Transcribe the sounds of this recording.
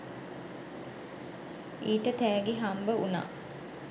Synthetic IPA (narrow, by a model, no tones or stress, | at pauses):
iːʈət̪æːɡeɦambəuna̰ː